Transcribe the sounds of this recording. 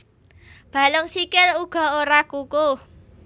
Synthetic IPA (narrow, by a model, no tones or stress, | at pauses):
b̥a̤lʊŋsikɪluɡ̥ɔ̤oɾakuku